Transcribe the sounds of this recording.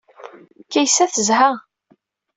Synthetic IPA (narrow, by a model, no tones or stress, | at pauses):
kːæjsæθəzha